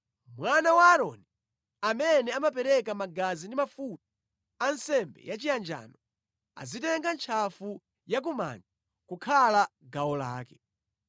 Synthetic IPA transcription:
mwanawaːɾɔni | amɛnɛamap̬ɛɾɛkamaɡazindimafut̚ḁ | ansɛmbɛ̰jat͡ʃijand͡ʒa̰ːnɔ | a̰zitɛŋɡant͡ʃʰafu | jak̬uma̰nd͡ʒa | kukʰalaɡawɔla̰ːkɛ

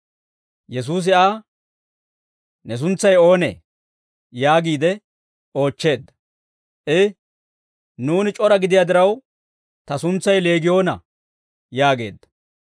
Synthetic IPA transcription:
jɛs̬uːs̬ɪaː | nɛs̬ʊnt͡sːɐjo̞ːnḛː | jaːɡiːd̪ɛ | o̞ːt͡ʃːe̞ːd̪ːɐ | ʔɛ | nuːnɪt͡ʃʼɔɾɐɡɪd̪ɪjaːd̪ɪɾɐw | t̪ɐsʊnt͡sːɐjle̞ːɡɪjo̞ːnɐ | jaːɡe̞̰ːd̪ːɐ̥

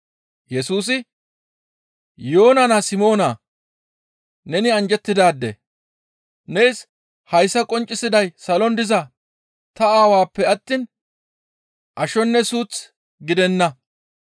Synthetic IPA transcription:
jɛsuːs̬ɪ | jo̞ːnɐnasɪmo̞ːnaː | nɛnɪɐnd͡ʒɛt̪ːɪd̪aːd̪ːɛ̰ | nejs | hɐjsːɐkʼɔnt͡ʃʼːɪsɪd̪ɐjsɐlɔnd̪ɪzɐ | t̪ɐaːwaːpːɛɐt̪ːiːn | ʔɐʃɔnːɛsuːt͡s | ɡɪd̪ɛnːɐ

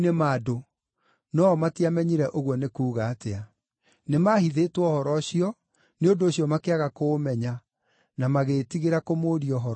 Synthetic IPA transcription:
nemado | nɔmatiamɛɲiɾɛʔoɣwɔnekuːɣaːtea | nemahiðetwɔhɔɾɔɕiɔ | neondoːɕjɔmakeaɣakoːmɛɲa | namaɣetiɣeɾakomoːɾiɔɦɔɾ

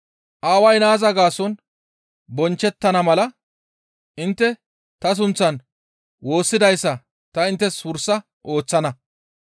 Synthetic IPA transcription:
ʔaːwɐjnaːzɐɡaːsɔn | bɔnt͡ʃːɛt̪ːɐnɐmɐlɐ | ʔɪnt̪ːɛ | t̪ɐs̬ʊnt͡sːɐn | wo̞ːsːɪd̪ɐjsːɐ | t̪ɐɪnt̪ːɛswʊɾsːɐ | ʔo̞ːt͡sːɐnɐ

